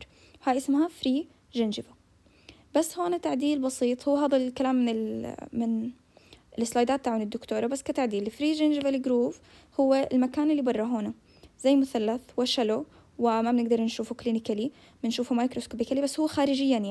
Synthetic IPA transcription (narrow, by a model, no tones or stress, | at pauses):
ɾ | haːjʔɪsmhafɾiː | ʒɪnd͡ʒɪva | basːhoːnat̪aʕd̪iːlbɑsiːt̪ˤhʊːɦaːðalkalaːmːɪnɪlmɪn | ɪlɪslaːjd̪aːt̪ːaʕʊːnɪd̪ːʊkt̪uːɾˤɑbasːkat̪aʕd̪iːlfɾiːʒɪnd͡ʒɪvalɡɾuːf | hʊwːeɪlmakaːnɪlːibɑrˤːɑɦoːna | zajːmʊθalːaθwaʃalo | wɪmabɪnɪɡd̪ɑɾˤnʃuːfukliːnɪkali | mɪnʃuːfumaːjkɾoskoːbɪkalibasːhʊwːxaːɾɪd͡ʒɪjːanja